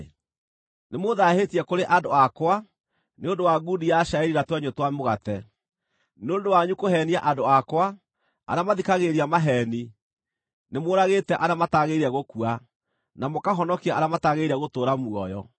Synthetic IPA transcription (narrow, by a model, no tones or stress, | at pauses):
nemoðahetiɛkoɾeʔadoakwa | neondowaɡudijaʃɾaɛɾiɾatwɛɲotwamoɣatɛ | neondowaɲukoɦɛniaʔadoakwa | a̰ɾamaðikaɣeɾiamaɦɛːni | nemoːɾaɣeːtɛʔaɾamataɣeiɾɛɣokua | namokaɦɔnɔkiaaɾamataɣeiɾɛɣotoːɾamuɔjɔ̰